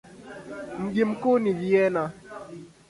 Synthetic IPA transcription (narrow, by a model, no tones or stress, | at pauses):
m̩ɡim̩koniviɛna